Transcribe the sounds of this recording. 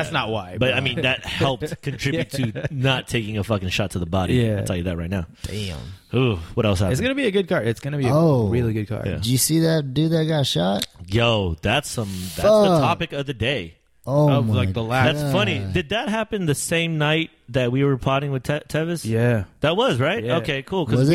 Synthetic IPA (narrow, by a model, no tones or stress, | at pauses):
æsnət̚waɪb̥ʌɾaɪmĩnðɨt̚hɛlˠp̚tkʰɨ̃ntʰɹ̥ɪbjʉtʰɨnətʰeɪkɪ̃ŋɨfʌkɪ̃ŋʃɑtʰəðəbɑɾḭætʰɛlˠjɨðɨt̚ɹaɪtⁿnaʊ̥̰̃nhuwʌɾɛlˠshæɨtsɡ̥ʌnɨbiɨɡʊd̚kʰɑɹɨtsɡ̥ʌnɨbiɨoɹɪlˠiɡʊd̚kʰɑ̰ɹjææ̰̥ɨjɨsiðɨt̚dɨðɨt̚ɡ̥ɑʃɑt̚joʊðætsʌ̃mðæsðətʰɑpɨkʌvðɨdeɪ | oolaɪðəlæðætsfʌnidɨd̪̚ðɨt̚ɦæpɨ̃nðɨsẽɪ̃mnaɪt̪̚ðɨt̚wiwə˞pʰɑɹɾɪ̃ŋwɨð̥tʰɛtʰɛvɨsjæðət̚wʌzɹaɪt̚oʊkʰeɪkʰulˠkʰʌ